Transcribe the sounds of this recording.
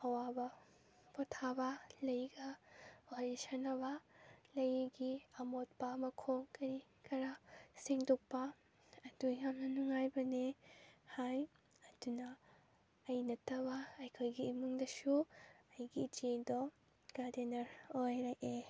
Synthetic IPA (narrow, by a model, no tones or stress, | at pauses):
ɐwabɐ | potʰabɐlɐjɡɐwaɾesɐnːɐβɐlɐjɡiɐmot̚pɐmɐkʰoŋkɐɾi | kʰɐɾasiŋdok̚pɐ | ɐdujamnɐnuŋajbɐnehaj | ɐdunɐː | jnɐtːɐβɐɐjkʰojɡiːmuŋdɐsuɐjɡid͡ʒedɔ | ɡ̥adenɐɾojɾake